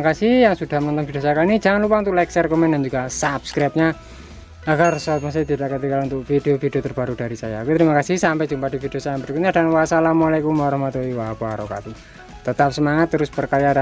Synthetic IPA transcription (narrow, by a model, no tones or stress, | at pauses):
akasɪhjaŋsud̥ahmənɔnt̪ɔnbid̥osajakainid͡ʒaŋanlupaunt̪̬uʔlɛksɛrkɔmɛndand͡ʒuɡasapskɾap̚ɲa | aɡarsɔt̪̚mas̬t̪it̪idaʔkət̪̬ikalunt̪ʊk̚fideofideot̪ərb̥aɾud̥aɾisaja̰kut̪əɾimakasɪhsampɛd͡ʒumpad̥ifid̥eosajampərkuɲadanwasalamalakumaɾɔhmat̪oiwapaɾɔka̰t̪i | t̪ət̪ap̚səmaŋat̪ːəɾʊspərkaɾjada